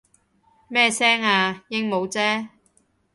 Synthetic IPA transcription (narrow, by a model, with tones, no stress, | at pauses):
mɛː˥sɛː˥ŋaː˧jɪ˥ŋmo˨˧wt͡sɛː˥